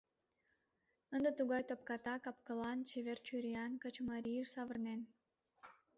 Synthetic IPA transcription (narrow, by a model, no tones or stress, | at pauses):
ə̆nd̪ət̪uɣɑjt̪op̚kɑt̪ɑkɑp̚kɤ̆lˠɑnt͡ɕevʲert͡ɕyɾʲijɑnkə̆t͡ɕmɑɾʲijəʃsɑvərnen